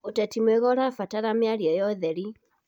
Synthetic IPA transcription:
otɛtimweɣɔɾafataɾameaɾjɔjɔðɛɾi

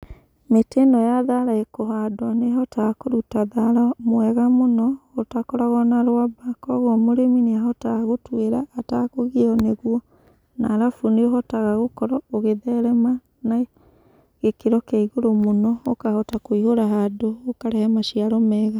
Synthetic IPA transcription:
metenɔjaðaɾaekoɦadɔnehɔtakoɾutaðaɾamwɛɣamonɔotakɔɾaɣɔnaɾoabakɔɣwɔmoɾemineaɦɔtaɣotweɾaʔːtakoɣeɔneɣwɔ | naːɾafuneohɔtaɣaɣokɔɾɔoɣeðɛɾɛma | na | ɣekeɾɔkɛiɣoɾomonɔokahɔtakoihoɾaɦadoːkaɾɛhɛmaʃiaɾɔmɛɣa

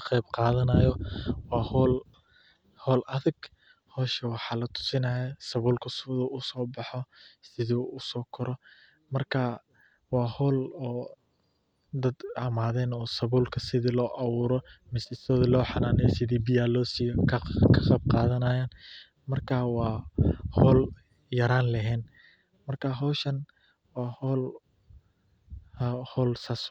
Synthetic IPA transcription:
qɛjbqɑːðɐnɐjɔwɑːhɔːl | hɔːlʔɐðɪɡ | hɔːʃɛwɑħɑːlɐt̪ʰʊ̥sɪnɐjɛsɐβuːlkʰʊsɪðuʊsɔːbɑħɔsɪðuʊsɔːkʰɔɾɔ | mɐrkʰaː | wɑːhɔːlɔː | d̪ɐd̪ɐmaːðɛːnɔːsɐβuːlkʰɐsɪðilɔːʔɐwuːɾɔmɪsɪst̪ɔːðɪlɔːħɑnaːnɛjsɪðiːbɪjaːlɔːsijkʰkʰɐqɑb̚qɑːðɐnaːjaːn | mɐrkʰaːwɑːhɔːl | jɐɾaːnlɐɦɛːn | mɐrkʰaːɦɔːʃɐn | wɑːhɔːl | hɔːlsaːs

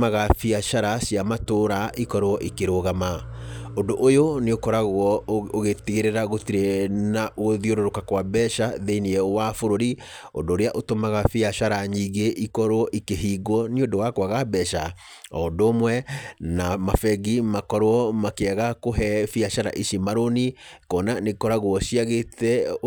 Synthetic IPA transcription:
maɣafiaʃaɾasjamatoɾaʔikɔɾoɔʔikeɾoɣamaondoʔojoneokɔɾaɣwɔoɣetiɣeɾeɾaɣotiɾenaʔoðioɾoɾokakwabɛʃaðeiniɛwafoɾoɾi | o̰ndoːɾeaʔotomaɣafiaʃaɾaɲiɣeʔikɔɾwɔʔikeɦiɡɔniodowakwaɣabɛʃa | ɔdomwɛnamafɛɡimakɔɾwɔmakeaɣakoɦɛfiaʃaɾa̰ʔiʃimaɾonikɔnanekɔɾaɣuɔʃiaɣetɛ

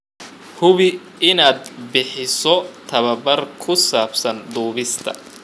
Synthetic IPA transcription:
hʊβɪ | ɪnaːd̪bɪħɪsɔt̪ʰɐβɐbɐrkʰʊsaːbsɐnd̪uːβɪst̪ʰɐ̰

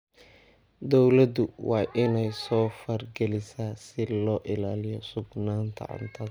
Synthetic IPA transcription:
d̪ɔwlɐd̪ʊwɑːʔɪnɛjsɔːfɐrɡɛlɪsaːsɪlɔːʔɪlaːlɪjɔsʊɡnaːnt̪ʰɐ̰ʕʊ̰nt̪ʰɐ

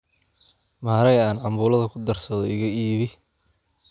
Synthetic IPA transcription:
maːɾɛjaːnʕɑmbuːlɐðɐkʰʊd̪ɐrsɐðɔɪɣɐiːβɪ

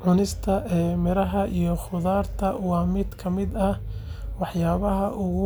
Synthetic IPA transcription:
ʕʊnɪst̪ʰɐʔɛːmɪɾɐɦɐʔijɔχʊðaːrt̪ʰɐwɑːmɪd̪kʰɐmɪd̪ɐwɑħjaːβɐɦɐʔʊɣʊ

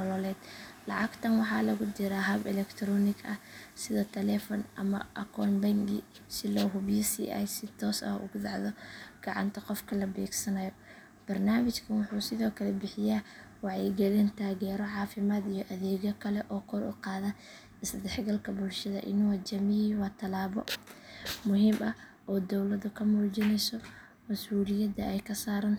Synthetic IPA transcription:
ɔlɔlɛːd̪̥lɑʕɑɡt̪ʰɐnwɑħɑːlɐɣʊd͡ʒ̪ɪɾaɦɐbɛlɛkt̪ʰɾɔːnɪɡʰɐsɪðɐt̪ʰɛlɛfɔnʔɐ̰mɐ̰ʔɐkʰɔːnbɐŋɡɪ̰ | sɪlɔːɦʊβjɐsḭːʔajsɪt̪ʰɔːsɐ̰ʊ̰ɣʊd̪ɑʕðɔɡ̥ɑʕɑ̰nt̪ʰɐqɔfkʰɐlɐbɛ̰ːɡsɐnɐjɔ | b̥ɐrnaːmɪt͡ʃkʰɐnwʊħuːsɪðɔːkʰɐlɛbɪħɪjaː | wɑʕɛjɡɐlɛːnt̪ʰaːɣɛːɾɔʕɑːfɪmaːd̪ijɔʔɐðɛːɣɔkʰɐlɛʔɔːkʰɔlʔʊ̰qɑːðɐ | ɪsd̪ɛħɡɐlkʰɐbʊlʃɐðɐ̰ʔɪ̰nwɐd͡ʒɐmɪjiːwɑːt̪ʰɐlaːβɔ̰ | mʊɦiːmʔɐ | ʔɔːd̪ɔwlɐðʊkʰɐmɔːd͡ʒɪnɛjsɔ | mɐsuːlɪjɐd̪ɐɛjkʰɐsaːɾɐn

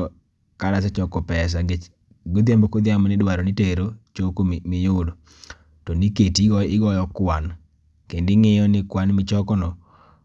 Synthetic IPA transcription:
ɔ | kaɾasɛt͡ʃɔkɔpɛs̬aŋɡe | ɡod̪jambokod̪jamɔnɪdwaɾonɪteɾot͡ʃokomɪjʊlo | tɔniketiɡɔɪɡɔjɔkwan | kendɪŋejɔnɪkwanmɪt͡ʃɔkɔnɔ

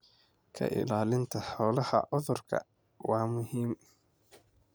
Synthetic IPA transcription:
kʰɐ̰ʔɪ̰laːlɪnt̪ʰɐħɔːlɐhɐ̰ʔʊðʊrkʰɐ̰ | wɑːmʊɦiːm

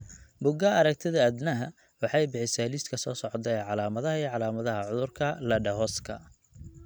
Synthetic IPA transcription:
bʊɡɐɐɾɐk̚t̪ʰɪðɐːd̪nɐɦɐ | wɑħɑjbɪħɪsalist̪kʰɐsɔːsɔʕt̪ɛʕɑlaːmɐðɐɦɐiːʕɑlaːmɐðɐɦɐʕʊðʊrkʰɐlɐɖɐɦɔskʰɐ̰

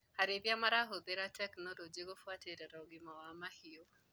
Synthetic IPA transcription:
haɾebiamaɾaɦobeɾatʰɛknɔlɔd͡ʒeɡofwatʰeɾɛɾaɡimawamahijo

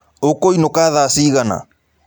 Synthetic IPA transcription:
okoinokaðasiːɣana̰

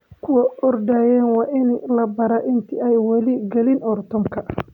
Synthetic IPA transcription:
kʰʊwɐʔɔrdaːjɛːnwɑːʔɪnlɐbɐɾaʔɪnt̪ʰiɛjwɐlɪɡɛlɪnʔɔrt̪ʰɔmkʰɐ

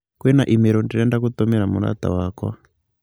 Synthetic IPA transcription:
kwɛnaʔimiɾɔndinɛndakut̪ɔmiɾamuɾa̰t̪a̰wakwa̰

